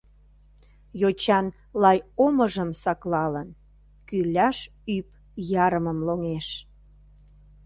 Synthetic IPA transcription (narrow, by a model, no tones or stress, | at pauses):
jot͡ɕɑn | lɑjoməʒəmsɑklɑlən | kylæʃ | yp | jɑɾəməmloŋeʃ